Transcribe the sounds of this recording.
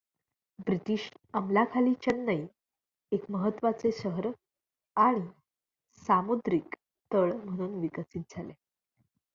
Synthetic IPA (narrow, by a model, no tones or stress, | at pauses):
bɾit̪iːɕəmlakʰaliːt͡ɕənːəj | ekməɦət̪ːʋat͡sesəɦəɾ | aɽ̃i | samud̪ɾik | t̪əɭm̤əɽ̃uːnʋikəsiːt̪̚d͡zʱale